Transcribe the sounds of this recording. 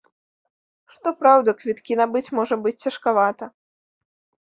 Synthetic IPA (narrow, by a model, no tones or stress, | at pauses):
ʂt̪ɔpɾawd̪ɐkvʲit̪kʲinabɨt͡sʲmɔʐɐbɨt͡sʲt͡sʲɐʂkavat̪ɐ